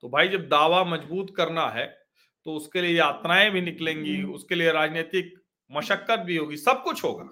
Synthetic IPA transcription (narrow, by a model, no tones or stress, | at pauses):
t̪obʱaːid͡ʒɐb̚d̪aːʋamɐd͡ʒbuːt̪kɐɾnaɦɛː | t̪oʊskeliejaːt̪ɾaːẽbʱinɪklẽːŋɡiʊskelieɾaːd͡ʒneːt̪ɪk̚ | mɐʃəkːət̪̚bʱiɦoːɡisɐb̚kʊt͡ʃʰɦoːɡa̰ː